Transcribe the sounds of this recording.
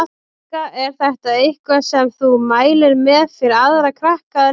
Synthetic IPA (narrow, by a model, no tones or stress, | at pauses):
a | kaɛɾ̥θɛht̪aejhkvasɛmθumaːjlɪɾmɛðfɪɾɪaðɾakʰɾahkaða